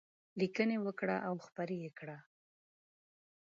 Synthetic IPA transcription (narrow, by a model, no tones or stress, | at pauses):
likənewəkɽa̰ʔawxpaɾejekɽa